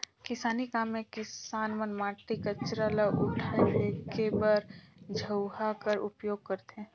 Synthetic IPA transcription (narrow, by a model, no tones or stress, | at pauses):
kɪsaːnikaːmːẽkɪsaːnmənmaːʈːikət͡ʃɾalaʔʊʈʰaeekebəɾd͡ʒʱəʊɦakəɾʊpjoːɡ̚kəɾt̪ẽː